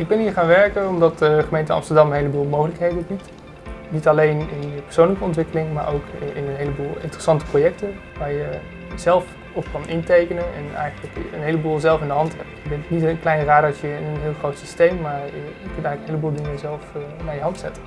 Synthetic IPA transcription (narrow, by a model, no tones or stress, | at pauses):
ɪɡ̚bɛnɦiːɹχaːnʋɛɹkənɔmdɑtəχəmejntəɑ̰mstəɹdɑmənɦejləbuːlˠmowχələkɦejdənbit | nitɑlejnɪnjəpəɹsownləkəɔntʋɪkəlɪŋma̰ːɹʔowkɪnənɦejləbuːlˠɪ̰ntərəsɑntə̥projɛk̚tən | ʋaːɹjə | zɛlˠf | ɔfkɑnɪntejkənənɛ̰nɛ̰jχənləkənɦejləbuːlˠzɛlˠfɪndəɦɑntɦɛp̚bɛntɪknitənklɛjnraːdɑtjəɪnənɦɪːlˠχrowtsistejmːaːɹjəkɵntɛjχləkənɦeləbuːlˠdɪŋəzɛlˠfnaːɹjəɦɑntsɛtə